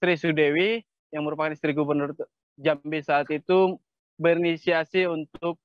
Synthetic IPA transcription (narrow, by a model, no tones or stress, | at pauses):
sɾisudewi | jaŋməɾupakanist̪ɾiɡubərnʊr | d͡ʒambisaːt̪it̪u | bərnisiasiunt̪ʊk̚